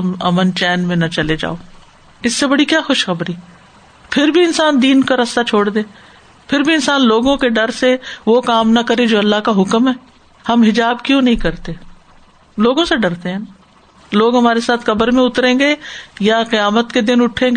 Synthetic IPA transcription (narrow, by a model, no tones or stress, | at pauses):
ʊmɐ̰mənt͡ʃɛːnmẽnɐt͡ʃɐled͡ʒa̰ːoː | ɪsːebɐɽikjaːxʊʃxɐbɾi | pʰɪɾbʱiɪnsaːnd̪iːnkaɾɐst̪at͡ʃʰoːɽd̪eː | pʰɪɾbʱiɪnsaːnloːɡõkeɖɐɾseʋokaːmnɐkɐɾed͡ʒoːɐlːaɦkaɦʊkmɦɛː | hɐmɦɪd͡ʒaːbkjõːnɐɦĩkɐɾt̪e | loːɡõseɖɐɾt̪eɦɛ̃ː | loːɡɦɐmaːɾesaːt̪ʰxɐbəɾmẽʊt̪ɾẽːɡejaqɪjaːmət̪ked̪ɪnʊʈʰẽːɡ